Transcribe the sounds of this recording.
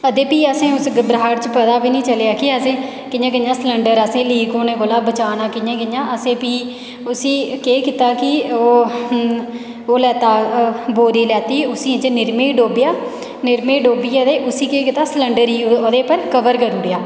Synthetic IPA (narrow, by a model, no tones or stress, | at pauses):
əd̪eːpiːəsẽːʊsɡəbɾaaːɖt͡ʃəpət̪aːbiːnĩːt͡ʃəljaːkɪəsẽː | kɪjãːk̬ɪɲːãːsləɳɖəɾəsẽːliːkoːnẽːkoːlaːbət͡ʃaːnãːkɪjãːkɪjãːʔəsẽːpiː | ʊsĩːkeːkɪt̪aːkɪoː | oːlɛːt̪aːboːɾiːlɛːt̪iːʊsĩːt͡ʃnɪɾmẽːɖoːbɪjaː | nɪɾmeːɖoːbiːəd̪eːʔʊsĩːkeːkɪt̪aːsələɳɖəɾiːoːd̪eːpəɾkəʋəɾkəɾuːɽɪjaː